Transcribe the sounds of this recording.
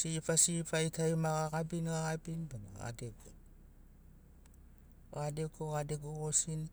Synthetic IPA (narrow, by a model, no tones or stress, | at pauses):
sipasifajtʰaimaɣaɣabinɣaɣabinbana̰ɣa̰deɡo | ɣadekoɣadeɡoɣosin